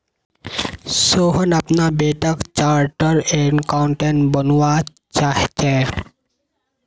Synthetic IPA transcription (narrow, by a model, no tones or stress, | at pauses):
soːɦənɐpnabeːʈəkt͡ʃaːɾʈəɾeɳkaʊɳʈẽɳʈbənʋa | t͡ʃaːɦt͡ʃe